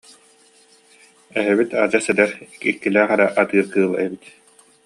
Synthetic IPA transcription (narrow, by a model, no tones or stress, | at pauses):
ɛɦɛβit̪a̰d͡ʑasɛd̪ɛɾkilkilæːχɛɾɛʔat̪ɯːɾkɯːlˠɛ̰bit̪